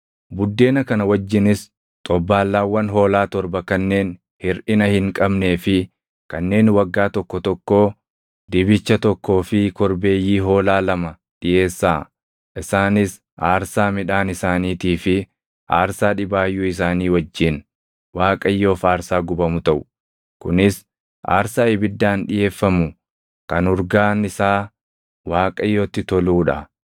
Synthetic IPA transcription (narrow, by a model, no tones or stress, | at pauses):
bʊd̪ːe̞ːnɐkɐnɐwɐd͡ʒːɪnɪs | t̪ʼɔbːaːlːaːwːɐnɦo̞ːlaːt̪ɔɾbɐkɐnːe̞ːn | hɪɾʔɪnɐhɪŋkʼɐbne̞ːfɪ | kɐnːe̞ːnwɐɡːaːt̪ɔkːɔt̪ɔkːo̞ː | d̪ɪbɪt͡ʃːɐt̪ɔkːo̞ːfɪkɔɾbe̞ːjːiːɦo̞ːlaːlɐmɐ | ᶑɪʔe̞ːsːaː | ʔɪsaːnɪs | aːɾsaːmɪᶑaːnɪsaːniːt̪iːfɪ | ʔa̰ːɾsaːᶑɪbaːjːuːɪs̬aːniːwɐd͡ʒːɪn | waːkʼɐjːo̞ːfaːɾsaːɡʊbɐmʊt̪ɐʔʊ̥ | kʊnɪs | ʔa̰ːɾsaːɪbɪd̪ːaːnᶑɪje̞ːfːɐmʊ | kɐnʊɾɡaːnɪsaː | waːkʼɐjːo̞ːt̪ːɪt̪ɔluːᶑɐ